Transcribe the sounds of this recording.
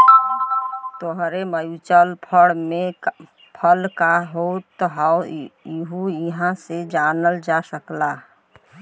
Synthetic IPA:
t̪oɦɾeməjut͡ʃəlpʰəɽmẽ | pʰəlkaɦot̪ːɔɦaiɦuiɦãsed͡ʒanəld͡ʒasəkla

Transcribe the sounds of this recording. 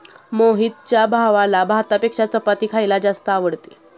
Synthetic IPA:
moɦit̪̚t͡ɕjabʱaʋalabʱaɦt̪apekʂat͡səpat̪iːkʰajlad͡zast̪əaʋəɽt̪e

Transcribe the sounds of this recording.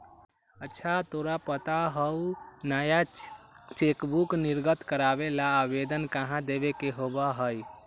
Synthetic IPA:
ətːʃʰat̪oɾapət̪aɦəunaja | t͡ʃekbukniɾɡət̪kəɾabelaːbed̪ənkaɦãd̪ebekeɦobaɦəj

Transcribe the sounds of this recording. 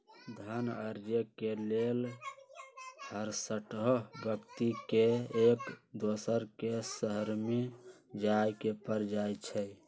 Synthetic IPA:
d̪ʱənə̰ɾd͡ʒəkelel | həɾsəʈɦobjəkt̪ikeekd̪osəɾkesəɦəɾme | d͡ʒajkepəɾd͡ʒajt͡ʃʰɛ

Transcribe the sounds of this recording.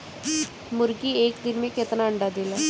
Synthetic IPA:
muɾɡiːekd̪inmiket̪naəɳɖad̪ila

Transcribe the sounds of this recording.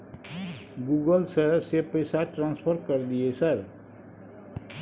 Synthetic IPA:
ɡuɡəlsʌɾsepəjsaʈɾãnspʰəɾkʌɾd̪ijesʌɾ

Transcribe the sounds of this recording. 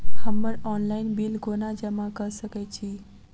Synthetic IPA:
həmːəɾɔːnlaɪinbilɡonad͡ʑəmakəɾsəkɛt͡ɕʰi

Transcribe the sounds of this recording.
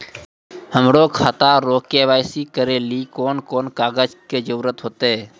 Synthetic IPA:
həmɾoːkʰaːt̪aːɾoːkeːʋaːjsiːkəɾeːliːkoːnkoːnkaːɡəd͡ʒkeːd͡ʒəɾuːɾət̪ɦoːt̪eː

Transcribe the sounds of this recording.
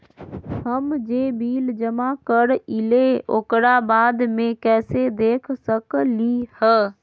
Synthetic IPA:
həmd͡ʒeːbiːld͡ʒəmakəɾɪleo̰ːkɾabaːd̪mẽkɛːsed̪eːkʰsəklihəː

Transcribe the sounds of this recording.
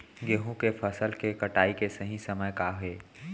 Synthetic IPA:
ɡeɦõkefʰəsəlkekɐʈaːikesəɦĩsɐməjkaːɦeː

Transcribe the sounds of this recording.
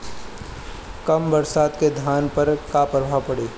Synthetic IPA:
kɐmbɐɾsaːd̪ked̪ʱjaːnpɐɾkapəɾbʱapɐɽeː

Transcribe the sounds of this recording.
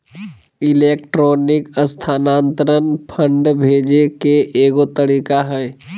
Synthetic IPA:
ileːk̚ʈɾoːnɪkəst̪ʰaːnaːnt̪ɾənpʰə̃ɳɖbʱeːd͡ʒekeʔeɡot̪əɾiːkaɦɛ

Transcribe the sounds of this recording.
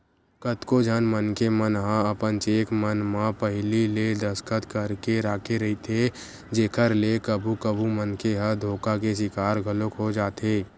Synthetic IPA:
kət̪kod͡ʒʱənmənkemənɦãəpənt͡ʃeːkʰmənmãpəɦɪliled̪əskət̪kəɾkeɾaːkʰeɾɐɦit̪ʰe | d͡ʒeːkʰəɾlekəbʱukəbʱumənkeɦəd̪ʱoːkakes̬ɪkaːɾɡʱəlokɦod͡ʒaːt̪eː

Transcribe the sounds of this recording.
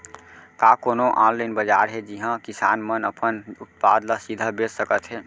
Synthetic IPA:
kakonoʔãnlənbəd͡ʒaɾɦed͡ʒiɦə̃kisa̰nmənəpʰənut̪̚pa̰d̪lasid̪ʱəbessəkət̪ɦɛ

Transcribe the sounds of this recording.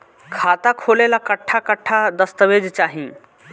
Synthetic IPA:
kʰat̪akʰolelakəʈʰːakəʈʰːad̪əst̪əʋed͡ʒt͡ʃaːɦĩ

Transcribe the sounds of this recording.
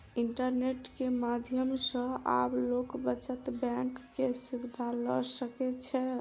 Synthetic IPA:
iɳʈəɾneʈkemad̪ʱjəmsə̃a̰blokbət͡ʃət̪bɛ̃ŋkːesubid̪ʱalɔ̰səkɛt͡ʃʰɛ

